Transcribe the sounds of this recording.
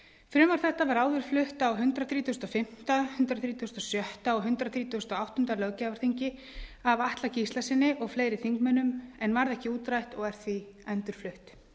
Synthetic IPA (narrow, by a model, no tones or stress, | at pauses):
fɾʏːmawɾ̥θɛht̪avaɾaːwðʏɾ̥flʏht̪awɦʏnt̪ɾaθɾiːt̪ʊʏst̪ɔfɪm̥t̪ahʏnt̪ɾaθɾiːt̪u̥ʏst̪ɔsjœht̪aɔɣɦʏnt̪ɾaθɾiːt̪ust̪ɔawht̪ʏnt̪alœɣcavaɾ̥θiɲcɪ | avaht̪lacist̪asɪnːɪʔɔɣfleːjɾɪθiŋkmœnʏmɛnvaɾðɛhcɪuːt̪ɾajht̪ɔɣɛɾ̥θviɛnt̪ʏɾ̥flʏht̪